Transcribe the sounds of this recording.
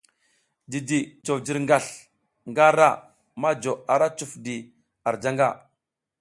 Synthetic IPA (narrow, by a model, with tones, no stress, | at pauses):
di˨di˨t͡ʃo˨vd͡ʒi˨ɾŋɡa˨ɬ | ŋɡa˦ɾa˦˨ | ma˦d͡ʒo˨a˨ɾa˦t͡ʃu˨fdi˨ | a˨ɾd͡ʒa˦ŋɡa˦˨